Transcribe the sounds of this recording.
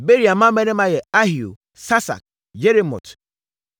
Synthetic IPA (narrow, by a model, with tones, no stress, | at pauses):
be˦ɾi˨a˨mːã˦mɛ˦nɛ̃˦mã˦jɛ˨a˦hi˨o̰˨ | sa˦sa̰˨k̚ | d͡ʒe˦ɾe˦mɔ̰˨t